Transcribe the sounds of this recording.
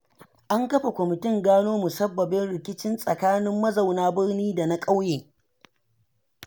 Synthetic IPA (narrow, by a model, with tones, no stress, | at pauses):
ʔa˦ŋkɐ˦ɸa˨kʷɔ˨mɪ˨tɪ˦ŋɡaː˦noː˦mu˨sɐ˦bːɐ˨bɪ˦nɽɪ˨kʲɪ˦t͡ʃɪ˦nsʼɐ˨kaː˦nɪ˦mːɐ˦za˨wnaː˦bɪ˦rniː˦da˨na˦kʼa˦wjeː˨